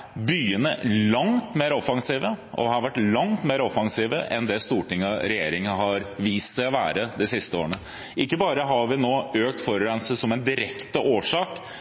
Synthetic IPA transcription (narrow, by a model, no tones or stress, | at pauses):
byːənəlɑŋt̪meːɾɔfɑŋsiːʋəʔɔ̰hɑɾʋæʈːlɑŋt̪meːɾɔfɑŋsiːʋə̰ʔɛnd̪ɛst̪uːʈɪŋːɑɾɛjeːɾɪŋɑɦɑɾʋiːst̪sæɪɔʋæːɾəd̪ɛsɪst̪əo̰ːɾəɳə | ʔɪkːəbɑːɾəɦɑɾʋɪnoːøːk̚t̪fɔɾɾɛnsəsɔmɛnd̪ɪɾɛkt̪əʔoːʂɑːk